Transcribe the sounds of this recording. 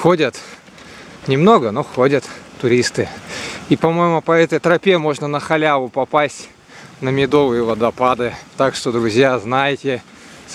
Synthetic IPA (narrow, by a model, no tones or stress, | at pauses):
xodʲət̪ | nʲɪmno̞ɡənoxodʲət̪t̪ːʊɾʲist̪ɨipɐmo̞jɪmʊpɐɛt̪əjt̪ɾɐpʲemo̞ʐnənəxɐlʲavʊpɐpasʲtʲ | nəmʲɪd̪o̞vɨjɪvɐd̪ɐpad̪ɨt̪akʂt̪od̪ɾʊzʲjaznajɪtʲɪ